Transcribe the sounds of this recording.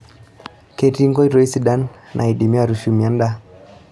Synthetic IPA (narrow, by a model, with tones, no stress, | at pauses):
ke˨ti˦ŋɡɔ˦i˦ɾɔ˨˦i˦si˨ɗa˦n | nʔa̰˨i˨ɗi˨mi˦a˦˨ɾu˨ʃu˨˦mi˨a˦nda˦